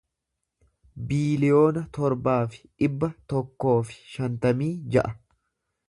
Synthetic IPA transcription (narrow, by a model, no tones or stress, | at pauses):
biːlɪjo̞ːnɐt̪ɔɾbaːfɪ̥ᶑɪbːɐt̪ɔkːo̞ːfɪ̥ʃɐnt̪ɐmiːd͡ʒɐʔɐ